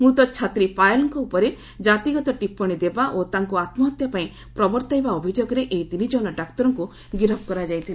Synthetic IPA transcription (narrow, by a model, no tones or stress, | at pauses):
mut̪ɔt͡ʃʰat̪ɾipajlɔŋkɔupɔɾe | d͡ʒat̪iɡɔt̪ɔʈipːɔɽ̃id̪ebaʔot̪aŋkuat̪mɔːt̪japaĩ | pɾɔbɔɾt̪ajbaobʱid͡ʒoɡɔɾeʔeit̪inid͡ʒɔnɔɖakt̪ɔɾɔŋku | ɡiɾɔb̚kɔɾad͡ʒajt̪ʰili